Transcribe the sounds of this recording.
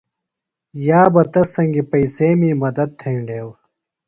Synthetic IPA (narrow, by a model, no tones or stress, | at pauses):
jaːbɐt̪ɐsɐŋɡipɐiseːmiːmɐd̪ɐd̪̚t̪ʰẽːɳɖeːw